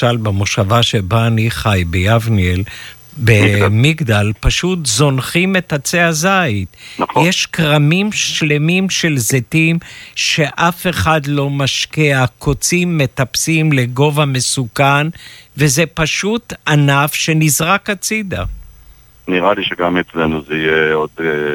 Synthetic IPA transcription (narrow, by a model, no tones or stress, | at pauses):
albemoʃavaʃe̞baːniχajbejavniel | bemiɡd̪alpaʃut̪zo̞nχime̞t̪at͡seazait̪njeʃkʁamimʃle̞mimʃe̞lzetimʃe̞ʔafe̞χad̪lo̞maʃkiakʰot͡simːe̞t̪apsimleɡo̞vame̞sukanve̞zepaʃut̪anafʃe̞nizʁakat͡sid̪a̰ | niʁaliʃeɡamet͡slenuzeijeod̪e